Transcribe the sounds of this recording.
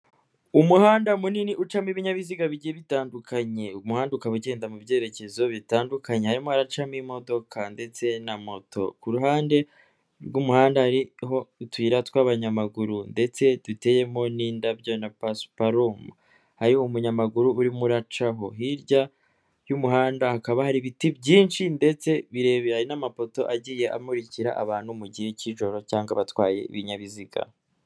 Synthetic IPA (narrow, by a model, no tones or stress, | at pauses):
umuhaːndamuniniʔut͡ʃamiβiɲaβiziɡaβiɟijeβitaːndukʰaɲe̞umuhaːndukaβuɟe̞ːndamubje̞ːɾe̞ce̞zo̞βitaːndukaɲe̞haɾimoaɾat͡ʃamimo̞do̞kʰande̞t͡se̞namo̞tʰo̞̰kuɾuɦaːnde̞ | ɾɡumuhaːndahaɾiho̞utwiːɾatwaβaɲamaɡuɾunde̞t͡se̞dute̞je̞mo̞niːndabjonapaspaɾomu | haɾihoumuɲamaɡuɾuːɾimuɾat͡ʃaɦo̞ɦiɾɟa | jumuɦaːndahakaβahaɾiβitibɟiːnʃinde̞t͡se̞βiɾe̞ːβehaɾinamapo̞to̞ʔaɟiːje̞ʔa̰muɾiciɾa̰ʔa̰βaːn̥humuɟiheciʒo̞ɾo̞caːŋɡaβatwaːje̞̰ḭβiɲaβiziɡa̰